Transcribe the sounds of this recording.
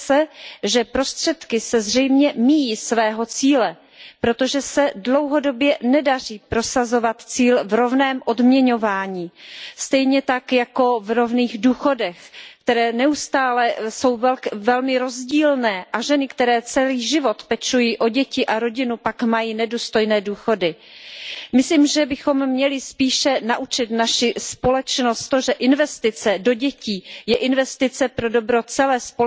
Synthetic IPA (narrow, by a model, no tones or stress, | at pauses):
sɛʒɛpɾo̞st̪r̝̥ɛt̪kɪsɛzr̝ɛjmɲɛmijiːsvɛːɦo̞t͡siːlɛ | pɾo̞t̪o̞ʒɛsɛdlo̞wɦo̞do̞bjɛnɛdar̝iːpɾo̞sazo̞vat̪t͡siːlvɾo̞vnɛːmʔo̞dmɲɛɲo̞vaːɲiːst̪ɛjɲɛt̪akjako̞vɾo̞vniːɣduːxo̞dɛxkt̪ɛɾɛːnɛust̪aːlɛso̞wvɛlvɛlmɪɾo̞zɟiːlnɛːʔaʒɛnɪkt̪ɛɾɛːt͡sɛliːʒɪvo̞t̪pɛt͡ʃujiːʔo̞ɟɛcɪʔaɾo̞ɟɪnupakmajiːnɛduːst̪o̞jnɛːduːxo̞dɪ | mɪsliːmʒɛbɪxo̞mːɲɛlɪspiːʃɛnaʔut͡ʃɪt̪naʃɪspo̞lɛt͡ʃnost̪t̪oʒɛʔɪnvɛst̪ɪt͡sɛdo̞ɟɛciːjɛʔɪnvɛst̪ɪt͡sɛpɾo̞do̞bɾo̞t͡sɛlɛːspo